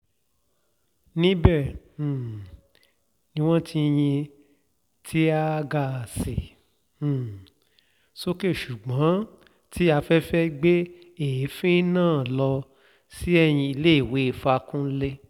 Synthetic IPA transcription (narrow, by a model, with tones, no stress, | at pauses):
nĩ˦bɛ̃˦˨ | nĩ˧w̃ɔ̃˦ti˦˧j̃ĩ˧ | tʰi˦a˦ɡa˦˨sẽ˨˦˨ | so˦ke˦˨ʃu˨ɡ͡bã˨˦ | tʰi˦a˧fɛ˦fɛ˦ɡ͡be˦ | e˨i˨˦fĩ˦nãː˦˨lɔ˧ | si˦ɛ˦˨j̃ĩ˧i˧le˦i˦˨we˨˦˨fa˧kũ˦le˦